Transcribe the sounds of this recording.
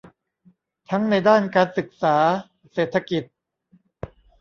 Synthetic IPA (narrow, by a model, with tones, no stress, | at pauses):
t̪ʰa˦˥ŋna˧jdaː˥˩nkaː˧nsɯ˨˩k̚saː˩˦ | seː˨˩t̪ʰa˧ki˨˩t̪̚